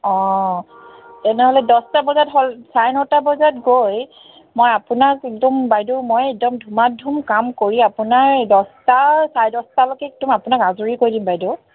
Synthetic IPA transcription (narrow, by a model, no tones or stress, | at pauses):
ɔ̃ | tɛnɛɦɔlɛdɔstabɔzatɦɔlsajnɔtabɔzatɡoj | mojapʊnakɛk̚dɔmbajdumojɛk̚dɔmdʱumadʱumkamkoɹiapʊnaɹdɔstasajdɔstalokɛk̚tumapʊnakazuɹikoɹidimbajdu